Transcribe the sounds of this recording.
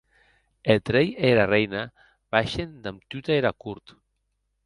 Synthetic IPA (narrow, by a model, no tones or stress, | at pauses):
elt̪ɾejeɾarejna | βaʃend̪amt̪yt̪aeɾakuɾt̪